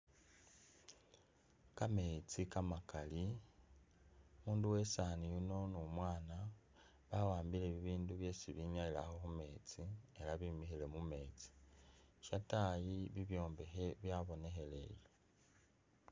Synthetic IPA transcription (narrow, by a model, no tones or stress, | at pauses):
kame̞t͡sikamakali | muːnduwe̞sanijuno̞numwaːna | βawaːmbile̞βiβiːnduβje̞ːsiβiɲaila̰xoxume̞ːt͡sie̞laβimixile̞mume̞ːt͡si̥ʃatajiβiβjo̞ːmbe̞xe̞βjaβo̞ne̞xe̞le̞̰jo